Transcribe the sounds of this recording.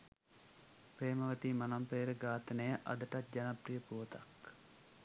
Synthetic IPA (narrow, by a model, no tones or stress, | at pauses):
pɾeːməʋət̪iːmɐnampeːɾəɡaːt̪ənəjəʔɐ̰d̪əʈat̪̚d͡ʒanaprijəpuʋət̪ak